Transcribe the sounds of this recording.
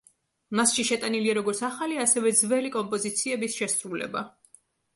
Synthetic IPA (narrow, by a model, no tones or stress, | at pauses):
masʃiʃɛt̪ʼaniliaɾɔɡɔɾt̪sʰaχaliasɛvɛd̪zvɛlikʼɔmpʼɔzit̪sʰiɛbisʃɛsɾulɛ̰ba